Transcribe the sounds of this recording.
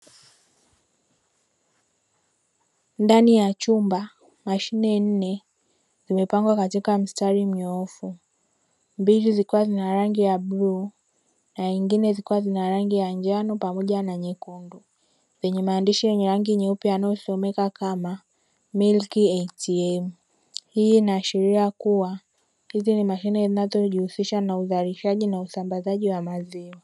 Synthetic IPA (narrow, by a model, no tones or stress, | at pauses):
ndanijat͡ʃumba | maʃinɛn̩nɛ | zimɛpaŋɡwakatikam̩staɾim̩ɲɔɔfu | mbilizikuwazinaɾaŋɡijabluː | naiŋɡinɛzikuwazinaɾaŋɡijaɲd͡ʒanɔpamɔʄanaɲɛkundu | zɛɲɛmaːndiʃijɛɲɛɾaŋɡiɲɛupjajanajɔsɔmɛkakama | milkiɛtiɛm | hiːnaʃiɾiakuwa | hizinimaʃinɛzinazɔʄihusiʃanauzaliʃaʄinausambazaʄiwamaziwa